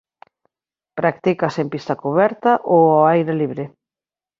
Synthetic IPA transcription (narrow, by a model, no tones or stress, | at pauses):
pɾak̚t̪ikɐsempist̪ɐkuβɛɾt̪ɐʔoaajɾaliβɾɪ